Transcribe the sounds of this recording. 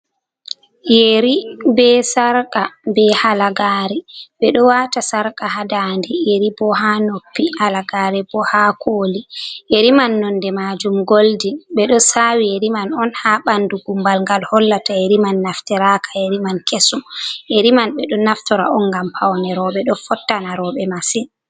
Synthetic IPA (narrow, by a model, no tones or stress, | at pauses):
jeɾibɛsaɾkʼabɛhalaɡaːɾɛɓɛɗɔwatasaɾkahadandɛjeɾibɔhanopːihalaɡaɾɛbɔhakʰoːliʔeɾimanːɔndɛmad͡ʒumɡoldiɓɛɗɔsawieɾimanɔnhaɓanduɡumbalŋɡalhɔlːataeɾimanːaftɛɾakʰḁeɾimankesumʔeɾimanɓɛɗɔnaftɔɾa̰ɔnɡampʰawnɛɾɔɓɛɗɔfɔtːanaɾɔɓɛmasin